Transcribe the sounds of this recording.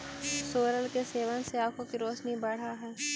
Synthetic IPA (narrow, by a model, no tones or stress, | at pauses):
soːɾəlkeseːʋənseaːkʰõkiɾoːʃnibɐɽ̤aɦɛː